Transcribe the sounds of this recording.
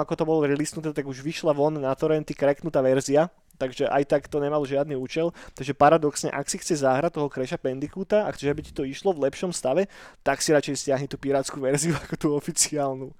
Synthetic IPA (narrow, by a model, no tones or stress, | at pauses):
akɔt̪ɔbɔlɔɾilisnut̪ɛt̪aɡuʒʋiʃlaʋɔnnat̪ɔɾɛnt̪ikɾɛknut̪aːʋɛɾzia | t̪aɡʒɛʔa̰jt̪akt̪ɔɲɛmalʒɪad̪niuːt͡ʃɛlt̪aɡʒɛpaɾad̪ɔksɲɛ̰ʔaksixt͡sɛʒzaːɦɾat̪̚ːɔɦɔkɾɛʃapɛnd̪ikut̪aa̰xt͡sɛʒabici̥t̪ɔiʃlɔʋlɛpʃɔmst̪aʋɛt̪aksiɾat͡ʃɛjscɪaɦɲɛt̪uːpiɾaːt͡skuʋɛɾziuakɔt̪uːɔfit͡siaːlnu